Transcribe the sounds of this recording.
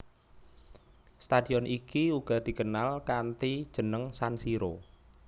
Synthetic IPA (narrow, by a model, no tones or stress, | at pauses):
st̪ad̪̥i̤ɔnʔikiuɡ̥ɔ̤d̪̥i̤kənalkant̪id̥ʒ̥ə̤nəŋsansiɾo